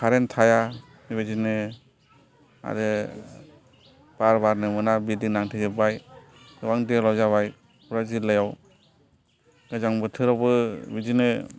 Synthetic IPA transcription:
kʰaɾentʰaja | miβazinɯ | a̰ɾɯ | b̥aɾbaɾnɯmɯnabidiŋnaŋtʰɯzɯbaj | ɯwaŋdilɔzaβaj | uɾazilɯjaw | ɡ̥ɯjzaŋbɯtʰɯɾɔbɯbizinɯ

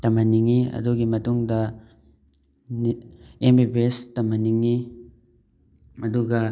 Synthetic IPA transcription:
tɐmɐniŋiɐ̰duɡimɐtuŋdɐ | nembipestɐmɐniŋi | ɐduɡɐ

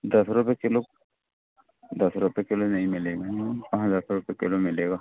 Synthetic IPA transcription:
d̪əsɾʊpekɪlo | d̪əsɾʊpekɪlonɐɦĩmɪleːɡaãɦzaːɾkɾʊpekɪlomɪleːɡaː

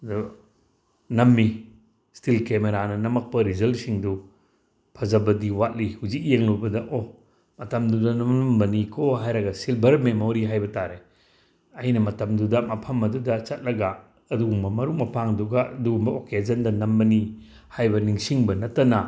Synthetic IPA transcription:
d | nɐmːi | stʰilkemeɾanɐnɐmɐk̚pɐɾizɐlsiŋdu | pʰɐzɐbɐdiwat̚lihuzik̚jeŋlubɐdɐʔo | mɐtɐmdudɐnɐmɐmbɐnikʰoɦajɾɐɡɐsilbɐɾmemoɾiɦajbɐtaɾe | ɐjnɐmɐtɐmdudɐmɐpʰɐmɐdudɐt͡ʃɐt̚lɐɡa | ɐduɡumbɐmɐɾuk̚mɐpʰaŋduɡaɐduɡumbɐoked͡ʒɐndɐnɐmbɐni | hajbɐniŋsiŋbɐnɐtːɐnɐ

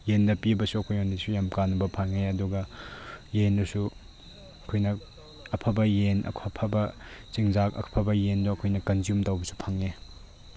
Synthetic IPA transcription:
jendɐpibɐsuɐkʰojondisujamkanubɐpʰaŋeɐduɡɐ | jendusu | ɐkʰojnɐ | ɐpʰɐbɐjenʔɐ̰kʰɐpʰɐbɐt͡ʃiŋzakɐ̰kʰpʰɐbɐjenduɐkʰojnɐkɐnzjumtɐwbɐsu̥pʰaŋːe

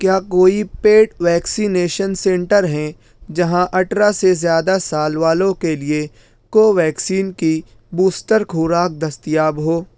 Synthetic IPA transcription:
kjaːkoːipeːʈʋɛːksineːʃənsẽːɳʈəɾɦɛ̃ | d͡ʒɐɦãʔɐʈʰɾasezjaːd̪asaːlʋaːlõkelie | koːʋɛːksiːnki | buːsʈəɾkʰuːɾaːk̚d̪ɐst̪ijaːbɦoː

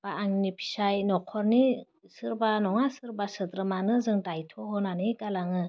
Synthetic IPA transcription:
b̥aːŋnipʰi̥sajnɔkʰɔɾni | sɯɾbanɔŋasɯɾbasɯd̪ɾɯmanɯzɯŋdajtʰɔhɔnanekalaŋɯ

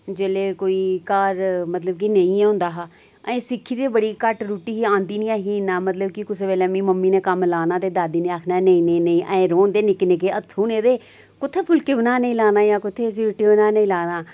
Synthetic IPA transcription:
d͡ʒeːleːkoːiːkaːɾmət̪ləb̚k̬inəĩːɛːɦʊ̃nd̪aːɦaː | əẽːsɪkʰːiːd̪eːbəɽiːkəʈɾuːʈiːɦiãːnd̪iːnĩaːɦiːnaːmət̪ləb̚kikʊs̬eːʋɛːlɛːmĩːməmːiːneːkəmlaːnaːt̪eːd̪aːd̪iːnẽːaːkʰnanəĩːnəĩːnəĩːʔãẽːɾoːnd̪eːnɪkneːkeːət̪ʰːuːneːd̪eː | kʊt̪ʰːeːpʰʊlkeʋnaːnəĩːlaːnaːjãːkʊt̪ʰːeːs̬iːɾʈiʋnaːnəĩːlaːnaː

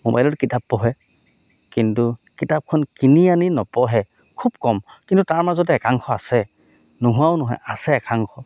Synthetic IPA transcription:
moba̰jlɔtkitapːɔɦɛ | kintukitap̚kʰɔnkinianinɔpɔɦɛ | kʰubkɔmkintutaɹmazɔtɛɛkaŋxʰɔasɛ | nuɦʊaʊnɔɦɔ̰jasɛːkaŋxɔ

